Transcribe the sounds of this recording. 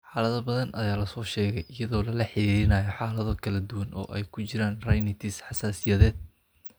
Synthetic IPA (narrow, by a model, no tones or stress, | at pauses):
ħɑːlɐðɐbɐðɐnʔɐjaːlɐsɔːʃɛːɣɛjɪjɐðɔːlɐlɐħɪɾiːɾɪnɐːjɔħɑːlɐðɔkʰɐlɐd̪ʊwɐnʔɔ̰ːʔɛjkʰʊt͡ʃɪɾaːnrɐjnɪt̪ʰɪsħɑsaːsɪjɐðɛːd̪̥̚